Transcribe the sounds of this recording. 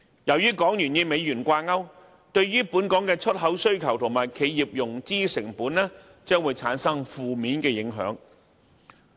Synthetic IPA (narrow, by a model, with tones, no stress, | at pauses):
jɐ˨˩wjyː˥kɔː˨˥ŋjyː˨˩njiː˧me˨˧jjyː˨˩nkʷaː˧ŋɐ˥w | t̪ɵ˧ɥɥyː˥puː˨˥nkɔː˨˥ŋkɛː˧t͡ʃʰɵ˥t̚ɦɐ˨˥wsɵ˥ɥkʰɐ˨˩wt̪ʰʊ˨˩ŋmaː˨˩jkʰe˨˧jːiː˨p̚jʊ˨˩ŋt͡siː˥sɪ˨˩ŋpuː˨˥nlɛː˥ | t͡sœː˥ŋwu˨˧jt͡sʰaː˨˥nsɐ˥ŋfuː˨miː˨˥nkɛː˧jɪ˨˥ŋɦœ̰ː˨˥ŋ